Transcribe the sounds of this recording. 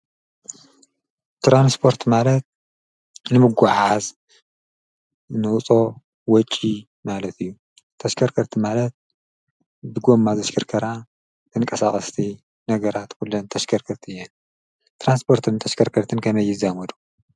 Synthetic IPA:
t̪ɾanspʰo̞ɾt̪malɐt̪̚ | nɨmɨɡʷaʕaz | nɨut͡sʼo̞ | wɔt͡ʃʼːi | malɐt̪ʰɨjːu | t̪ʰɐʃkʰɐɾkʰɐɾt̪ʰimalɐt̪̚ | bɨɡo̞mːazɐʃkʰɐɾkʰɐɾa | t̪ʰɨnŋkʼɐsaχʼɐst̪ʰi | nɐɡɐɾat̪kulːɐnt̪ʰɐʃkʰɐɾkʰɐɾt̪ʰijɛn | t̪ʰɾanspʰo̞ɾt̪ʰɨnt̪ʰɐʃkʰɐɾkʰɐɾt̪ʰɨnkʰɐmɐjːɪzamɐd̪u

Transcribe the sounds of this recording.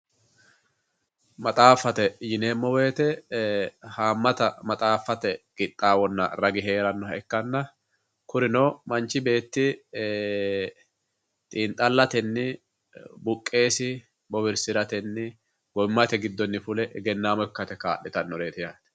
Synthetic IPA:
mɐt̪ʼaːfɐt̪ɛjɪne̞ːmːɔwe̞ːt̪ɛ | haːmːɐt̪ɐmɐt̪ʼaːfːɐt̪ɛɡ̥ɪt̪ʼːaːwɔnːɐ̰ɾɐɡɪɦe̞ːɾɐnːɔɛkːɐnːɐ | kʊɾɪnɔmɐnt͡ʃːɪbe̞ːt̪ːɪ | t̪ʼiːnt̪ʼːɐlːɐt̪ɛnːɪ | bʊkʼːe̞ːsɪ | bɔbɪɾsɪɾɐt̪ɛnːɪ | ɡ̥ɔmːɐt̪ɛɡɪd̪ːɔnːɪfʊlɛʔɛɡɛnːaːmɔɪkːɐt̪ɛka̰ːɗːɪt̪ɐnːɔɾe̞ːt̪ɪjaːt̪ɛ̥

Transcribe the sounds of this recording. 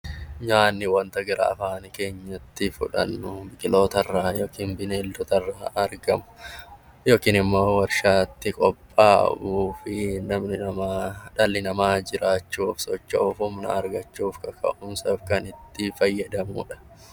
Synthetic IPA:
ɲaːnːɪwɐnt̪ɐɡɪɾa̰ɐfaːnke̞ːɲːɐt̪ːɪfʊ̰ᶑɐ̰nːʊbɪkʼɪlo̞ːt̪ɐrːaːjoːkiːnbɪneːlːʊt̪ɐrːaːɐɾɡɐmʊ̥ | joːkiːnɪmːo̞ːwɐɾʃaːt̪ːɪkʼɔpʼːaːʔuːfɪnɐmnɪɐmaːᶑɐlːɪnɐmaːd͡ʒɪɾaːt͡ʃːuːfsɔt͡ʃːɐːfʊmnɐ̰ɐɾɡɐt͡ʃːuːfkɐkʰɐ̰ʔʊmsɐfkɐnɪt̪ːɪfɐjːɐd̪ɐmʊ̰ᶑɐ̥

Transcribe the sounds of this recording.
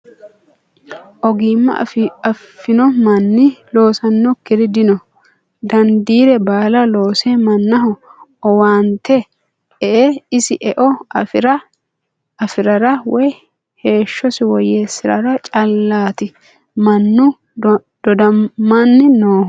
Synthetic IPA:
ʔɔɡiːmːɐ̰ɐfːɪnɔmɐnːɪlo̞ːsɐnːɔkːɪɾɪd̪ɪnɔ | d̪ɐnd̪iːɾɛbaːlɐlo̞ːsemɐnːɐɦɔɔwaːnt̪ɛ | ɛʔeɪsɪʔɛʔɔɾɐ | ɐfɪɾɐɾɐwɔj | he̞ːʃːɔsɪwɔje̞ːsɪɾɐ̰ɾɐt͡ʃʼɐlːaːt̪ɪ | mɐnːʊ | d̪̥ɔd̪ɐmːanːɪnoː

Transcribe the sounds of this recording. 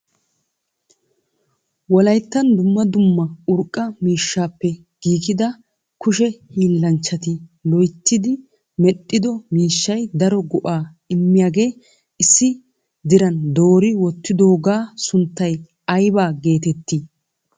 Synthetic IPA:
wɔlɐjt̪ːɐnd̪ʊmːɐd̪ʊmːɐʊɾkʼːɐmiːʃːaːpːɛ | ɡ̥iːkɪd̪ɐ | kʊʃɛhiːlːɐnt͡ʃːɐt̪ɪlɔjt̪ːɪd̪ɪ | mɛt̪ʼːɪd̪ɔmiːʃːɐjd̪ɐɾɔɡɔʔaː | ɪmːɪjaːɡe̞ː | ɪsːɪ | d̪ɪɾɐnd̪o̞ːɾɪwɔt̪ːɪd̪o̞ːɡaːsʊnt̪ːɐj | ɐjbaːɡe̞ːt̪ɛt̪ːi

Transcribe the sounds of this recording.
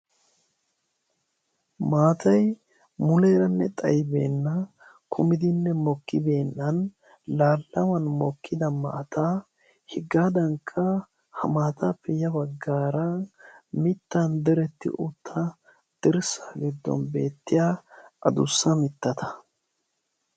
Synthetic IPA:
maːt̪ʰɐj | mʊleːɾɐnːɛt̪ʼɐjbḛːnːɐ | kʰʊmɪd̪ɪnːɛmɔkːɪbe̞ːnːɐn | laːlːɐwɐnmɔkːɪd̪ɐma̰ːt̪ʰaː | hɪɡːaːd̪ɐŋkʰːɐ | hɐmaːt̪aːpːɛjɐbɐɡːaːɾɐmɪt̪ːɐnd̪ɛɾɛt̪ːɪ̰ʔʊt̪ʰːɐ | d̪̥ɪɾsaːɡɪd̪ːɔ̰nbe̞̰ːt̪ːɪjaːʔɐd̪ʊsːɐmɪt̪ːɐt̪ʰɐ̥

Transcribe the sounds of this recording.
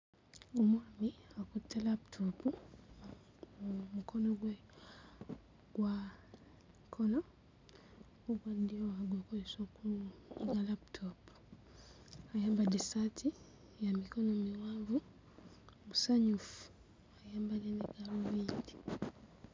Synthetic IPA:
umamiakutalaptʰɔpu | mukʰɔnɔɡwɛ | ɡwa | kʰɔnɔ | ukandiɔaɡwɛkɔisɔkuɡalap̚tʰɔpu̥ | ajambadisatʰi | jamikɔnɔmiwavu | musaɲufu̥ | hajambalɛnɛɡaɾuwindi̥

